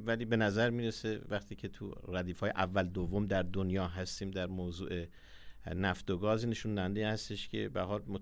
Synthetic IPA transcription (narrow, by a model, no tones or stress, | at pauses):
væliːbe̞næzæɾmiːɾesevæχt̪ʰiːcʰe̞t̪ʰṵræd̪iːfɒːjḛʔævːæld̪ovːo̞md̪æɾd̪onjɒːɦæst̪iːmd̪æɾmoːzṵːʔe̞ | næft̪oɡɒːzineʃund̪æænd̪eiːhæst̪e̞ʃcʰe̞̰bæɾɦɒːlmo